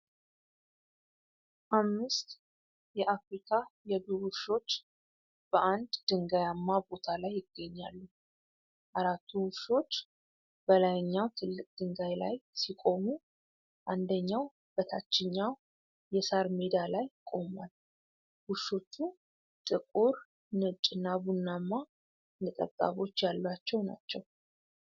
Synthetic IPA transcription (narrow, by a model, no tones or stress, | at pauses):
ʔamːɨst̪ | jɛʔafɾikʰajɛbuβuʃo̞t͡ʃː | b̥əʔand̪d̪ɨŋɡajamːabo̞t̪ʰalajːɪɡːəɲːalːu | ʔaɾat̪ʰːuwuʃo̞t͡ʃː | b̥əlajɲːawt̪ʰɨlːɨkʼd̪̥ɨŋɡajlajsikʼo̞mu | ʔand̪əɲːaw | b̥ət̪ʰat͡ʃːɪɲːaw | jɛsaɾmed̪alajkʼo̞mal | huʃo̞t͡ʃːu | t̪ʼɨkʼuɾ | nɨt͡ʃʼɨnːabunːamːa | nɨk̪ʼə̰t̪ʼːa̰βo̞t͡ʃːjalːwat͡ʃːɛwna̰t͡ʃːɛw